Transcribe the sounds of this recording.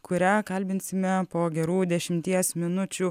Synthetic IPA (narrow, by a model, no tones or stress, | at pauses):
kʰʊɾʲæːkɐlʲbʲɪnʲsʲɪmʲɛpoːɡʲɛɾuːd̪ʲɛʃʲɪmʲt̪ʲiɛsmʲɪnʊt͡ʃʲu